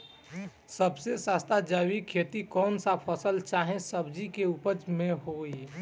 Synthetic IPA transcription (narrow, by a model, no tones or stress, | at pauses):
səbsesaːst̪ʰad͡ʒawikʰeːt̪ikɔːnsapʰəsəlt͡ʃaːɦẽsəbd͡ʒikeupəd͡ʒmẽɦoːi